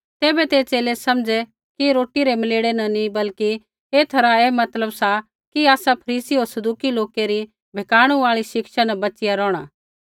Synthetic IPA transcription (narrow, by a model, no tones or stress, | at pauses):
t̪eːbɛt̪eːt͡ʃeːlesɐmd͡ʒɛ | kiɾoːʈiɾemɐleːɽenɐnĩbɐlki | eːt̪ʰɐɾaeːmɐt̪ləbsa | kiaːsapʰɐɾiːsiɦoːɾsɐd̪uːkiloːkeɾi | bʱɛkaːɽ̃ũaːɭiʃɪkʃanɛbɐt͡ʃɪjaɾɔːɽ̃a̰ː